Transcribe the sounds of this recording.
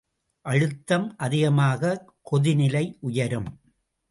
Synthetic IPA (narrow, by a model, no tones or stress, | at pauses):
ʔɐɻɯt̪ːɐmʔɐðɪɣɐmaːɣɐ | kɔðɪnɪlɐɪʔʊjɐɾɯm